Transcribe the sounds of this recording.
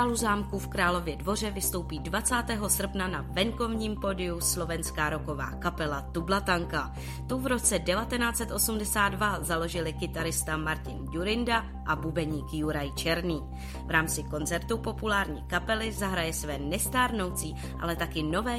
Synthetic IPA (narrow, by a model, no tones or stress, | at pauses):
aːluzaːmkufkɾaːlo̞vjɛdvo̞r̝ɛvɪst̪o̞wpiːdvat͡saːt̪ɛːɦo̞sr̩pnanavɛŋko̞vɲiːmpo̞dɪuslo̞vɛnskaːɾo̞ko̞va̰ːkapɛlat̪ublat̪aŋka | t̪uvɾo̞t͡sɛdɛvat̪ɛnaːt͡sɛt̪ʔo̞sumdɛsaːd̪vazalo̞ʒɪlɪkɪt̪aɾɪst̪amaɾcɪnɟuɾɪnda | ʔabubɛɲiːkjuɾajt͡ʃɛɾniː | vɾaːmt͡sɪko̞nt͡sɛɾt̪upo̞pulaːɾɲḭːkapɛlɪzaɦɾajɛsvɛːnɛst̪aːɾno̞wt͡siː | ʔa̰lɛt̪akɪno̞vɛː